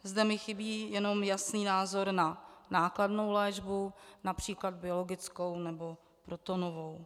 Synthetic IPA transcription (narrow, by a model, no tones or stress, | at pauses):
zdɛmɪxɪbiːjɛno̞mjasniːnaːzo̞ɾnanaːkladno̞wlɛːʒbunapr̝̥iːklad̪̚bɪolo̞ɡɪt͡sko̞wnɛbo̞ | pɾo̞t̪onovo̞w